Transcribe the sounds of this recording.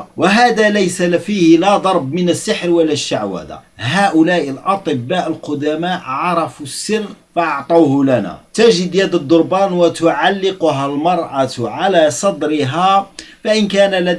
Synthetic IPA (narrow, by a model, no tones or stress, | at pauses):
waɦaːd̪alæjsafiːhlæd̪ˤɑɾˤbmɪnəsːaħɾwalːaʃːaʕwa̰ːd̪a̰ɦaːʔʊlæːʔəlʔɑt̪ˤɨbːaːʔəlqʊd̪amaːʔʕɑɾˤɑfusːɪrːfɑʔɑʕt̪ˤɑːhʊlænæ̰t̪æʒɪd̪jad̪əd̪ˤːʊɾˤbɑːnwat̪ʊʕalːɪqʊɦalmɑɾˤʔɑʕalaːsˤɑd̪ɾɪɦafaʔɪnkæːnala